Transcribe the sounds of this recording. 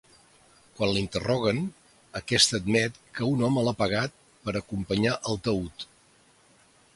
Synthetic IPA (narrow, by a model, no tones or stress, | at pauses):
kwanlint̪ərɔɣ̞ən | əkɛst̪əːd̪mɛt̪kəunɔməlapəɣ̞at̪̚ | pəɾəkumpəɲaʔəlˠt̪əut̪